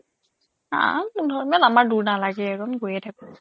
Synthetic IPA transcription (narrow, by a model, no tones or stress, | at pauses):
ã̰mudʱɔɹmɛlamaɹduɹnalaɡɛɛɹɔnɡojɛtʰakɔ